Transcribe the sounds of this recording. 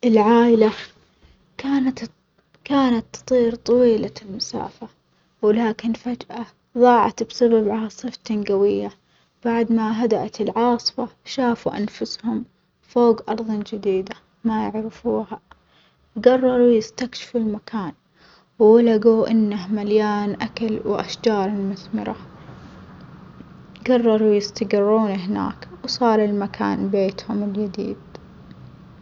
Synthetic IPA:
ʔɪlʕaːʔɪla | kaːnat̪ | kaːnat̪ːɨ̥t̪ˤiːɾt̪ˤɑwiːlalmasa̰ːfa | wɪlaːkɪnfad͡ʒʔa | ðˤɑːʕɑ̰t̪bsababʕasˤɨft̪anɡawɪjːa | b̥aʕd̪maɦad̪aʔat̪ɪlʕɑːsˤfɑʃaːfuʔa̰nfʊshʊm | foːɡʔɑɾˤðˤɑnd͡ʒɪd̪iːd̪a | majɪʕɾɪfuːha | ɡɑrˤːɑɾˤujɪst̪akʃɪ̥fulmakʰaːn | wːalaɡuʔɪnːahmaljaːnʔakalwʔa̰ʃd͡ʒɑːɾˤɪlmʊθmɪ̰ɾa | ɡɑrˤːɑɾˤujɪst̪aɡɪrːuːniɦɪna̰ːkwsˤɑːɾˤɪlmakʰa̰ːnbeːt̪hʊmɪld͡ʒad̪ḭːd̪̚

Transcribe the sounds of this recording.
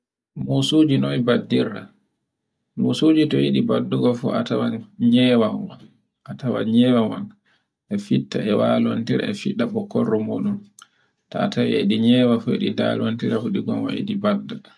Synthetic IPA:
mosud͡ʒinɔibadːiɾa̰ | mosud͡ʒitɔjiɗibadːuɡɔfɔ̰ʔatawanɲɛwawan | ʔatawa̰ɲɛwawa̰n | ʔɛfitːa̰ɛwalwantiɾa̰ɛfiɗːaɓɔkɔrːɔmoɗun | taːtawiɛɗiɲɛwafɔḛɗida̰lwantiɾafuɗiɡɔnwajḭɗibada

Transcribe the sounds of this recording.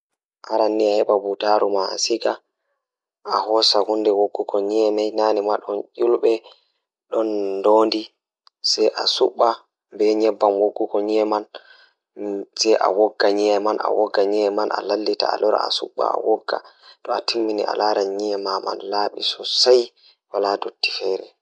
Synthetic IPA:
ʔaɾanːiahɛɓabutaːɾumaa̰siɡa | ahɔsahundɛwoɡːukɔɲiɛmɛjnanimaɗɔnʔulɓɛ | ɗɔndoːndi | sɛjʔasuɓːa | mbɛɲɛbːamwoɡːukɔɲiɛman | sɛjʔa̰wɔɡːaɲiɛmanʔa̰wɔɡːaɲiɛmanʔa̰lalːita̰a̰lɔɾa̰a̰suɓːa̰a̰wɔɡːa̰tɔatimːinḭʔa̰laːɾaɲiɛmama̰nlaːɓḭsɔsaj | waladotːi̥fɛɾɛ

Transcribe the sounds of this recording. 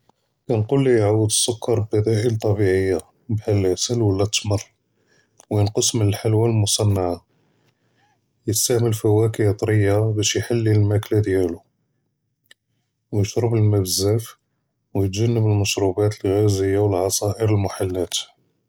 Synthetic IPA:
kænqulːijʕawːəd̪əsˤːʊkːɑɾˤbbæd̪æʔəlt̪ˤːɑbiʕəjːa | bhælʕsəlwəlːæt̪ːmərˤ | wjənqəsˤmənəlħalwalmʊsˤɑnːaʕa | jət̪st̪æʕməlfæwækijət̪ˤɾəjːabæʃjħalːilmæklad̪jælu | wjəʃɾəbəlmæbəzæf | wjət̪ʒænːəbəlməʃɾubæt̪əlɣæzəjːawəlʕɑsˤɑʔəɾəlmʊħalːæt̪

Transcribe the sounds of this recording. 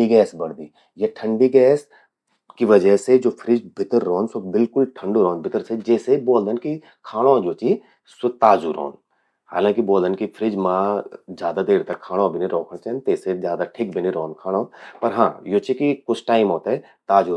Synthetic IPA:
iɡɛːsbɐɽd̪iː | jeʈʰə̃ɳɖiɡɛːs | kiʋɐd͡ʒəɦsed͡ʒoːpʰɾɪd͡ʒbʱɪt̪əɾːɔːnsobɪlkʊlʈʰə̃ɳɖoɾɔ̃ːnbʱɪt̪əɾsed͡ʒɛːseboːld̪ənki | kʰaːɽ̃õːd͡ʒoːt͡ʃi | st̪aːd͡ʒuɾɔ̰ːn | ha̰ːlãːkiboːld̪ənkipʰɾɪd͡ʒmãːd͡ʒjaːd̪ad̪eːɾt̪ɐkʰaːɽ̃õbʱɪniɾɔːkʰəɽ̃t͡ʃɛːnt̪eːsed͡ʒjaːd̪aʈʰɪkbʱɪniɾɔːnkʰaːɽ̃oːpɐɾɦãːjoːt͡ʃikikʊt͡ʃʰʈaːɪmɦɔːt̪aɛ | t̪aːd͡ʒu

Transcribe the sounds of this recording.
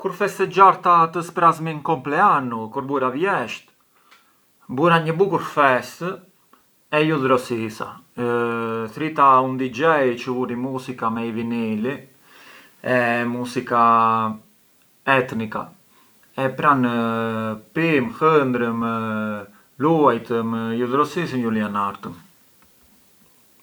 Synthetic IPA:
kuɾfɛst̪ɛd͡ʒaɾt̪at̪əspɾazmiŋkɔmplɛanukuɾbuɾavjɛʃt̪ | buɾaɲəbukuɾfɛst̪ | ɛjuðɾɔsisa̰ | θɾit̪aund̪id͡ʒɛjt͡ʃəvuɾimuzikamɛivinili | ɛmusika | ɛt̪nika̰ | ɛpɾan | pimhənd̪ɾəmə | luajt̪əməjuðɾɔsis̬ənjulianaɾt̪əm

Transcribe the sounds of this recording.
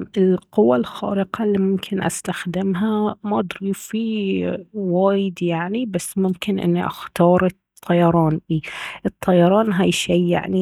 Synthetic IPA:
ɪlqʊwːalxɑ̰ːɾɪqalːimʊmkʰɪnʔa̰st̪axd̪ɪmɦamaʔd̪ɾiːfi | waːjɪd̪jaʕnibasːmʊmkɪnʔɪ̰nːiʔa̰xt̪ɑːɾˤ | t̪ˤʰːɑjɑɾˤɑːnbiːʔɨt̪ˤʰːɑjɑɾˤɑːnɦajʃiːja̰ʕni

